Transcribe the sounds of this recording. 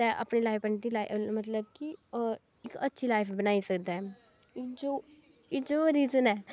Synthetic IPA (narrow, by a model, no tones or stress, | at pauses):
t̪ɛ̃ːʔa̰pɳeːlaːpəɳt̪iːlaːimət̪ləbki | ɪkətːʃʰiːlaːɪpʰbənaːisəkd̪aɛː | d͡ʒoː | ɪd͡ʒoːɾiːzənɛː